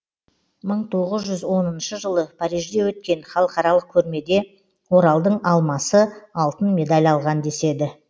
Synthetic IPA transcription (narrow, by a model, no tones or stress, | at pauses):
məɴt̪ʰo̞ʁəzʒʏzwo̞nənʃəʒəlˠəpʰɑɾijʒd̪e̞wɵt̪̚kʲe̞nχɑlˠəqɑɾɑlˠəq̚kʲʰɵɾme̞d̪e̞ | wo̞ɾɑlˠd̪əɴɑlˠmɑsəɑlˠt̪ənmʲe̞d̪alʲɑlˠʁɑnd̪e̞se̞d̪ɪ